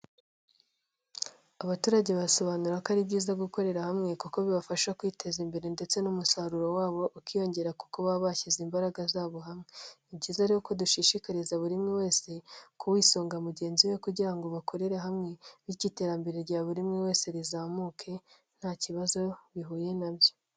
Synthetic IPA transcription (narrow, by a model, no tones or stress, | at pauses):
aβatuːɾaɟe̞βaso̞βanuɾakaɾibɟiːzaɡuko̞ɾe̞ɾahamŋe̞kuko̞βiβafaʃakwiːtʰe̞zimbe̞ɾende̞t͡se̞numusaɾuɾo̞waːβo̞ʔukijo̞ɲɟe̞ɾaku̥koβaβaçizimbaɾaɡazaːβo̞ɦamŋe̞ | bɟiːzaɾihoko̞duʃiʃikaɾizaβuɾimŋewe̞ːse̞kʰuwiːso̞ːŋɡamuɟe̞ːnziwe̞kuɟiɾaŋɡo̞βakʰo̞ɾe̞ɾeɦamŋe̞βiɾɟite̞ːɾambe̞ɾe̞ɾɟaβuɾimŋewe̞ːse̞ɾizaːmukʰe̞ | n̥haːciβazo̞βiɦuːje̞nabjo̞